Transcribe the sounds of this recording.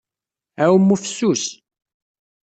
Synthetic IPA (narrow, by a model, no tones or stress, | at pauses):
æwəmːufsːus